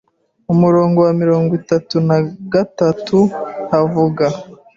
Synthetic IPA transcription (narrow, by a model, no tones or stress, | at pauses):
umuɾo̞ːŋɡo̞wamiɾo̞ːŋɡwitatunaɡatatʰuhavuɡa